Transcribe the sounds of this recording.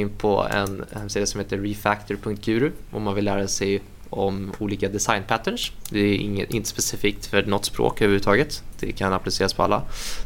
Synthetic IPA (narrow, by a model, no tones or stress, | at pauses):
ɪnːpʰɔ̰ɛ̰nhɛmːsiːd̪ɪasɔmheːt̪əːɪfækt̪ʰɔɾpʰɵŋkt̪jʉ̟ːɾʊʔɔ̰mːanvɪlːæːɾasɛj | ɔmuːliːkad̪ɛsajnpʰæt̪ːəɳʂd̪ɛɪŋːəʔɪ̰nt̪ə̥spɛsɪfiːk̚t̪fœɳɔt̪ːspɾo̰ːkœhœʉvɾʉɾːt̪ɑːɡət̪d̪̥ɛ̰kʰanaplɪseːɾaspʰɔa̰lːa̰